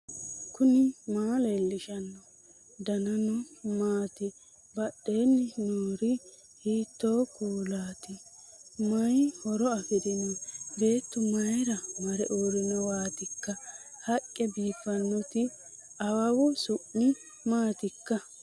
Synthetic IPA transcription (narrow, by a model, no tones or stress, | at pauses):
kʊnɪmaːlelːɪʃɐnːɔ | d̪ɐnɐnɔmaːt̪ɪ | bɐɗːeːnːɪnoːɾɪ | hiːt̪ːoːkuːlaːt̪ɪmɐjhɔɾɔɐfɪd̪ɪnɔbe̞ːt̪ːʊmɐjɾɐmɐɾɛʔoːɾɪnɔwaːt̪ɪkːɐhɐkʼːɛbiːfɐnːɔt̪ɪ | ɐwɐwʊsʊʔɪ | maːt̪ɪkːɐ